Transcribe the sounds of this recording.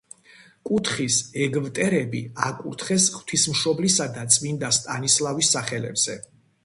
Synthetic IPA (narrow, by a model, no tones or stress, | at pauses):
kʼut̪ʰχisɛɡvt̪ʼɛɾɛbḭa̰kʼṵɾt̪ʰχɛsχwt̪ʰismʃɔblisad̪at̪sʼmind̪ast̪ʼanislˠavisːaχɛlɛ̰bz̥ɛ